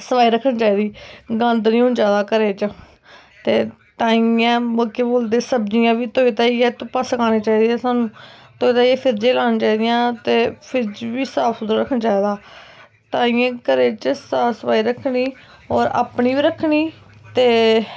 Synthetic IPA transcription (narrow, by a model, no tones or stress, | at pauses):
səpaːiːɾəkʰːənːt͡ʃaːiːd̪iːɡə̃nd̪nĩːɦõːnd͡ʒaːd̪aːkəɾeːt͡ʃ | t̪eː | t̪ãːiãːmoːkeːboːld̪eːsəbd͡ʒijãːʋiːt̪oːiːt̪aːiːɛːt̪ũpəsəkãːneːt͡ʃaːiːd̪eɛːsaːnũːt̪oːiːt̪aːiɛːpʰɪɾd͡ʒẽːlaːnãːt͡ʃaːiːd̪ɪjãːt̪eːpʰɪɾd͡ʒʋiːsaːpsʊd̪əɾəkʰːnːt͡ʃaːiːd̪aː | t̪aːĩːãːkəɾeːt͡ʃsaːsəpaːiːɾəkʰniː | ɔːɾa̰ːpɳiːbiːɾəkʰːniː | t̪eː